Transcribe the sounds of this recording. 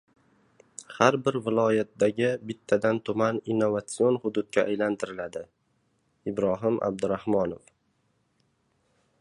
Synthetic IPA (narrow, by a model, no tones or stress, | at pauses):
haɾbɪɾvɪlˠɒjat̪̚d̪aɡʲɪbɪt̪ʰːad̪ant̪ʰʊmaninːovat̪sio̞nhʊd̪ʊd̪̚ɡʲaʔːjlant̪ʰɪɾɪlad̪ɪ | ɪbɾɒɦɪmʔa̰b̚d̪ɪɾahmɒnof